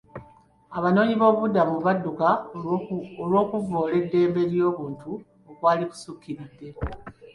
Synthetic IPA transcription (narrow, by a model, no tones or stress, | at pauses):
aβano̞ːɲiβo̞ːβudamuβadːuka | olwo̞ːkuvoːle̞dːe̞ːmbe̞ɾjo̞ːβuːntu | okwaːliku̥sukːiɾidːe̞